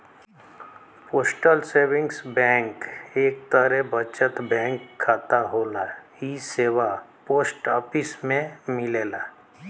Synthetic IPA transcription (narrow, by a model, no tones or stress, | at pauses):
poːsʈəlseːwɪ̃ŋɡsbɛ̃ːŋkeːk̚t̪əɾɛbət͡ʃət̪bɛ̃ːŋkʰːaːt̪aɦoːla | iseːwapoːsʈɔːpɪsmẽmɪleːlaː